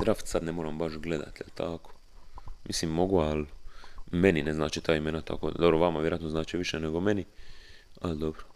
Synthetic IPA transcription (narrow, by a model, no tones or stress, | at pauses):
d̪ɾaft̪sad̪nemoːɾambaʃɡle̞d̪a̰t̪jelt̪ʰako̥ | mʔislimːo̞ɡual | menineznaːt͡ʃit̪aːimeːnat̪ʰa̰koːd̪d̪obɾoʋamaʋjeɾjat̪noznaːt͡ʃiʋiʃeneɡo̞meni | a̰ld̪obɾo̥